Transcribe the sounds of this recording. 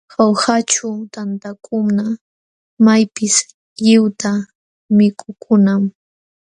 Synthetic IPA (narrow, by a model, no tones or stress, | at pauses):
xawhat͡ʃʊt̪ant̪akʰʊmna | majpɪs | ʎɪwt̪a | mɪkʰʼʊkʰʊnam